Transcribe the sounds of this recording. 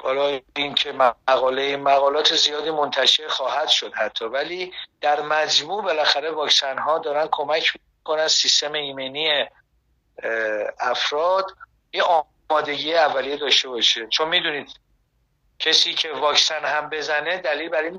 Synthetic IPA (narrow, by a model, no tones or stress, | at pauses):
b̥æːlɒːjincʰe̞mæɣɒːleimæɣɒːlɒːt̪ʰe̞zijɒːd̪imo̞nt̪ʰæʃe̞ɾxɒːhæd̪̥ʃo̞d̪hæt̪ʰːɒːvæliːd̪̥æɾmæd͡ʒmuːʔbe̞læxæɾe̞vɒːcsænhɒːd̪ɒːɾænkʰo̞mæcʰm | kʰo̞nænsist̪e̞meiːmeniːe | æfɾɒːd̪ | jeʔɒː | mɒːd̪e̞ɟiːjeævːælijed̪ɒːʃt̪e̞bɒʃet͡ʃʰo̞nmiːd̪uniːd̪̥ | cʰesiːcʰevɒːksænhæmbe̞zæne̞d̪æliːlbæɾin